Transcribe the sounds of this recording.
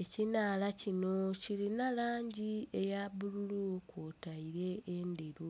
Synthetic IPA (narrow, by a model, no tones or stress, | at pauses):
ecinaːlacino̞ciɾinalaːɲɟiejaβululukoːtaiɾe̞ende̞ɾu